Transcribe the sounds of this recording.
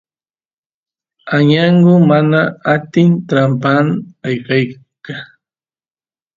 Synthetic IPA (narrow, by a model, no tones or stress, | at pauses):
aɲaɴɢʊmanaat̪ɪnt̪ɾampanajkaj | ka